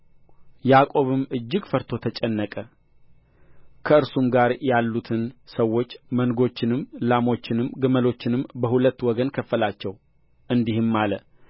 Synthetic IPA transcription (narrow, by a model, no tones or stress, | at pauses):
jakʼo̞βɨmɨd͡ʒːɪɡfəɾt̪ʰo̞t̪ʰət͡ʃʼɛnːəkʼə | kʰəɨɾsumɡaɾjalːut̪ʰɨnsəwːo̞t͡ʃːmənɡo̞t͡ʃːɪnɨmlamo̞t͡ʃːɪnɨmɡɨməlo̞t͡ʃːɪnɨmbəhulət̪ːwɔɡənkʰəfːəlat͡ʃːɛw | ʔɨnd̪ihɨmːalə